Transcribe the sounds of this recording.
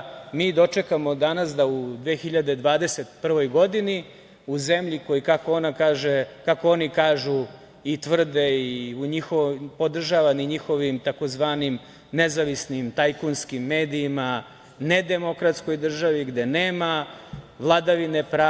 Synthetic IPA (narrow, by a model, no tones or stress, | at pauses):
miːd̪o̞t͡ʂe̞kamo̞d̪anasd̪aud̪ʋeːxiʎad̪e̞d̪ʋaːd̪e̞set̪pr̩ʋo̞jɡo̞d̪ini | uzemʎiko̞jikakoo̞nakaːʒekakoonikaːʒu | it̪ʋr̩d̪eiuɲixoʋpod̪r̩ʒaʋaniɲixo̞ʋimt̪ako̞zʋaːnim | nezaʋisnimt̪ajkunskimːeːd̪iːma | ned̪e̞mo̞kɾat̪sko̞jd̪r̩ʒaʋiɡd̪e̞neːmaʋlˠad̪aʋinepɾaː